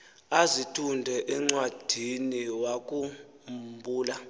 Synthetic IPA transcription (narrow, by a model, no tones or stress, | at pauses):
azitʰundʱɛʔɛŋ͡ǀwad̥ʱiniwak̬ʼu | mbʱuːla